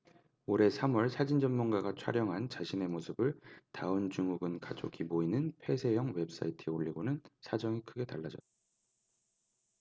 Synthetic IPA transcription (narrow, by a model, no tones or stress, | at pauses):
oɾe̞sʰamwʌɭsʰad͡ʑind͡ʑʌnmunɡaɡat͡ɕʰa̰ɾjʌŋɦant͡ɕaɕʰine̞mosʰɯbɯɭtaɯnt͡ɕuŋuɡɯnkad͡ʑo̰kʰimoinɯnpʰe̞sʰe̞jʌŋwe̞p̚s͈aitʰɯeoʎːiɡonɯnsʰad͡ʑʌŋikʰɯɡe̞taɭːad͡ʑʌt͈̚ːa